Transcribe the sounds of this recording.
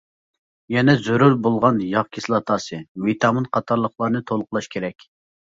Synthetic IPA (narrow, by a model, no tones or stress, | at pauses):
jɛnɛzuɾuɾbolˠʁɑnjɑʁkʲʰislˠɑt̪ʰɑsɨmit̪ʰɑmɨnqʰɑt̪ʰɑɾlˠəχlˠɑɾnɨt̪ʰolˠqlˠɑʃkʲʰeɾɛkʲ